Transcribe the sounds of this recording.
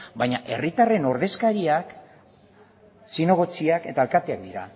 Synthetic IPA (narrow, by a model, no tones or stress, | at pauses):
bajɲaʔe̞rit̪are̞no̞ɾð̞e̞skaɾiak | sino̞ɣ̞o̞t͡siake̞t̪aelkat̪eak̚d̪iɾa̰